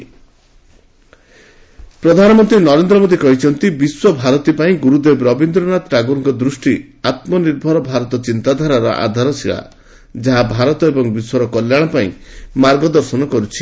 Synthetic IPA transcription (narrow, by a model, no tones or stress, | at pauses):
pɾɔd̪ʱanɔmɔnt̪ɾinɔɾend̪ɾɔmod̪ikɔɦit͡ʃʰɔnt̪ibiswɔbʱaɾɔt̪ipaĩɡuɾud̪ebɾɔbind̪ɾɔnat̪ʈaɡuŋkɔd̪ɾusʈi | at̪mɔniɾbʱɔɾɔbʱaɾɔt̪ɔt͡ʃint̪ad̪ʱaɾaɾɔ̰ʔa̰d̪ʱaɾɔsʰiɭa̰ | d͡ʒaɦabʱaɾɔt̪ɔebɔŋbiswɔɾɔkɔljaɽ̃ɔpaḭ̃maɾɡɔd̪ɔɾsɔnɔkɔɾut͡ʃʰi̥